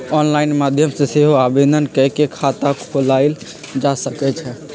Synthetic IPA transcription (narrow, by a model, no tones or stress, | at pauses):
ɔnlaɪnmad̪ʱjəmsẽseɦoabed̪ʱənkɛkekʰat̪akʰolaɪl | d͡ʒasəkɛt͡ʃʰɛ